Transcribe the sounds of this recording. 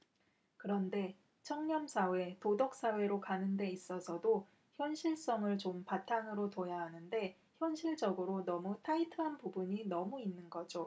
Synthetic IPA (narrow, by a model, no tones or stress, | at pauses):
kɯɾʌnde̞ | t͡ɕʰʌŋɲʌmsʰawe̞todʌk̚s͈awe̞ɾokanɯnde̞is͈ʌsʰʌdo | çjʌnɕʰiɭs͈ʌŋɯɭt͡ɕompatʰaŋɯɾotojaɦanɯnde̞ | çjʌnɕʰiɭd͡ʑʌɡɯɾonʌmutʰaitʰɯɦanpubuɲinʌmuinːɯnɡʌd͡ʑo